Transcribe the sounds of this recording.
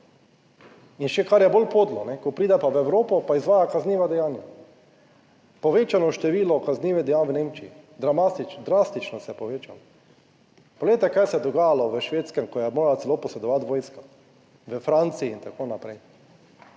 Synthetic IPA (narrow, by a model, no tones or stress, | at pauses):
inʃɛkaɾjɛbolpod̪lɔnɛkɔpɾiːd̪ɛpaʋɛʋɾoːpɔpaizʋaːjakazniːʋad̪ɛjaːnja | pɔʋeːt͡ʃanɔʃt̪ɛʋiːlɔkazniːʋɛd̪ɛjanʋneːmt͡ʃiid̪ɾamasit͡ʃd̪ɾast̪it͡ʃnɔsɛɛpɔʋeːt͡ʃalɔ | poɡledjt̪ɛkajsɛɛd̪ɔɡaːjalɔʋəʃʋeːt̪skɛmkɔjɛmoːɾalat̪sɛloːpɔsɛd̪ɔʋat̪ʋoːjska | ʋəfɾant̪siːnt̪akoːnapɾɛj